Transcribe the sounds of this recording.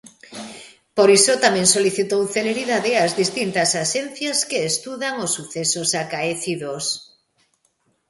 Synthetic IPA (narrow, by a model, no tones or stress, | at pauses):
poɾisot̪amɛ̃ŋsoliθit̪owθeleɾiðaðɪazðist̪int̪ɐsaʃɛn̟θjaskeːst̪uðaŋosːuθesosakaeθiðos